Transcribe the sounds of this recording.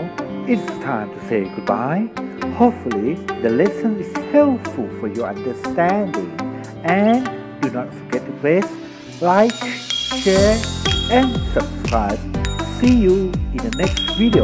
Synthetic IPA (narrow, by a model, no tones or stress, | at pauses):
ɪtstʰãɪ̃mtʰuseɡud̚baɪhopfulidəlɛsə̃nɪshɛlpfulfɔjɔã̰ndəstɛ̃ndɪ̰̃ŋ | ɛ̃n | dunɔtfɔɡɛt̚təpʰles | laɪkʃɛɹɛ̃nsəbskɹaɪb̚sijuĩndənɛkstvidio